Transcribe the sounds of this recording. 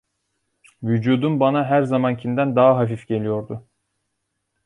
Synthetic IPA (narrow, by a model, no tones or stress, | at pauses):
vyd͡ʒuːd̪umbanaɦæɾzamancʰind̪ænd̪aɦaɦafifɟe̞lʲijo̞ɾd̪ʊ